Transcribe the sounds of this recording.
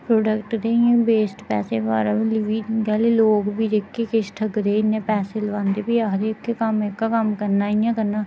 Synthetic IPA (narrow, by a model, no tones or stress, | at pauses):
pɾoːɖəkʈɾeːijãːbeːsʈpɛ̰ːseːbaːɾamĩlɪʋiːɡɛːleloːɡbʱiːd̪ekːeːkɪʃʈʰəɡɾeːɪnːẽːpɛːseːləʋãːnd̪eːbiaɦɾekːekəmekːaːkəmkəɾnaːiãːkəɾnaː